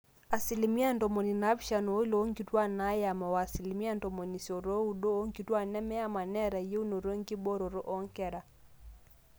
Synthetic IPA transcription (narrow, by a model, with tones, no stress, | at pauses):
a˨si˨li˨mi˦a˦ndɔ˨mo˨ni˨na˦bʃa˨no˨˦i˦lo˨˦ŋɡi˨˦twa˦na˦ja˨ma˨wa˨si˨li˨mi˦a˦ndɔ˨mo˨ni˨so˨ɾo˦u˨do˦o˦ŋɡi˨twa˦nɛ˦mɛ˦a˦ma˨nɛ˦ɾa˨je˦u˦no˨ɾo˦ŋɡi˦bo˦ɾo˨ɾo˦ʔɔ˦ŋkɛ˨ɾa˨